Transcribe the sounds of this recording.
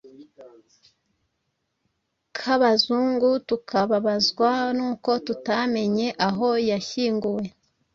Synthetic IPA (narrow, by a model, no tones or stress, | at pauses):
kʰaβazuːŋɡutukʰaβaβazɡwanuːko̞tutame̞ɲe̞ʔaɦo̞jaçiːŋɡuwe̞